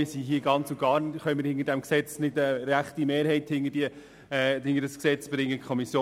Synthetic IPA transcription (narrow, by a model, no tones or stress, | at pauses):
ɪsiɦiəɡɑnt͡suɡ̥ɑːɾnχœʏməɾhɪŋəɾdɛmksɛt͡snɪdəɾæχtimeːɾɦɛɪthɪŋəd̥iə | hɪŋəɾdəsksɛt͡sb̥ɾɪŋəkʰɔmisjoː